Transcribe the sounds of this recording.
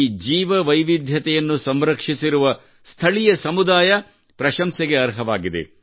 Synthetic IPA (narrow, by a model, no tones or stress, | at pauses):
d͡ʒiːʋɐʋɐjʋid̪ʱjɐt̪ɛjɐnːusɐmɾɐkʂisiɾuʋɐ | st̪ʰɐɭijɐsɐmud̪aːjɐ | pɾɐʃɐmsɛɡe̞ɐɾɦɐʋaːɡid̪ḛ